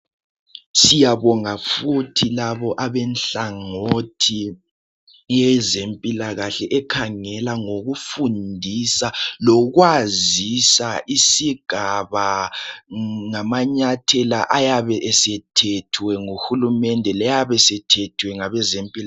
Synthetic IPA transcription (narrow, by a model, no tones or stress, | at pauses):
sijaβɔŋafutʰilaβɔʔaβɛnɬaŋotʰi | jɛzempʼilaɣaɬɛʔɛkʰaŋɛlaŋoɣufundʱisalɔɣwazisaʔisiɡ̥ʱaβa | ŋamaɲatʰɛlaʔajaβɛʔɛsɛtʰɛtʰwɛŋuxulumɛndʱɛlɛjaβɛsɛtʰɛtʰwɛŋaβɛzempʼila